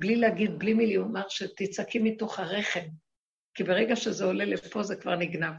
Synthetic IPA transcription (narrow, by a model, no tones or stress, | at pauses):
blileaɡid̪̚blimiliomaʁʃet̪it͡sakʰimːito̞χhaʁe̞χe̞m | kibe̞ʁeɡaʃezeolelefo̞zekva̰ʁniɡnav